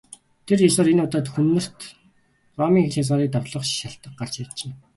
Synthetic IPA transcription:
t̪ʰerjesɔːɾenʊt̪aːt̪xɵnːɵ̆r̥t̪ | ɢɔːmiːŋxeɮʲas̬aːɾiːk̚t̪aw̪ɮɞ̆χʃʃaɬt̪ə̆q̚ɢar̥t͡ɕat͡ɕɪ̆n

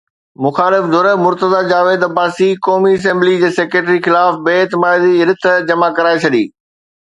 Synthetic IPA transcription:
mʊxaːlɪfd̪ʱʊɾəmʊɾt̪əzad͡ʑaːʋeːd̪ɐbaːsikɔːmiɐs̬ɛ̃mblid͡ʑeːseːkɾeːʈɾixɪlaːfbeːɪt̪ɪmaːɪd̪iɪɾɪt̪ʰd͡ʑɐmakɐɾaːet͡ɕʰɐɗ̪ḭː

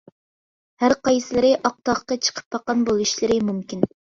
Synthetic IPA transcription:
hæɾqɑjsɨlˠɨɾɨʔɑq̚t̪ɑχqɑt͡ʃʰə̥qʰə̥p̚bɑqɑnbolˠuʃlɪɾɪmumkʲin

